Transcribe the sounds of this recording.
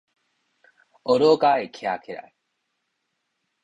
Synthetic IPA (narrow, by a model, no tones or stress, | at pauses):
oɾoːkaːekʰea̰kʰeɾa̰j